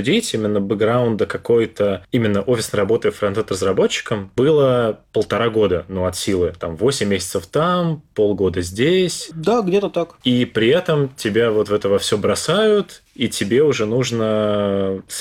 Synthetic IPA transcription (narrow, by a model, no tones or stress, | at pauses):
ʊdʲitʲimʲɪnːəbɨɡɡɾaʊnd̪əkɐko̞jt̪əimʲɪnːəʔo̞fʲɪsnəjɾɐbo̞t̪əjfɾɐnt̪ɛt̪rəzɾɐbo̞t͡ɕːɪ̥kəmb̥ɨlˠəpəlˠt̪ɐɾaɡo̞d̪ənuɐt̪sʲilˠɨt̪amvo̞sʲɪmʲːesʲɪ̥t̪səft̪ampo̞lˠɡo̞d̪əzʲdʲesʲd̪aɡdʲet̪ət̪akipɾʲɪɛt̪əmtʲɪbʲavo̞t̪vɛt̪əvɐfsʲɵbɾɐsajʊt̪itʲɪbʲe̞ʊʐɛnuʐnə | s